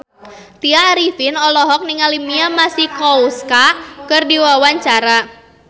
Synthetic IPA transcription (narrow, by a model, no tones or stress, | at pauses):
t̪iaɾifinɔlɔɦɔk̚niŋalimiamasikɔuskakɨrdiwawaɲt͡ʃaɾa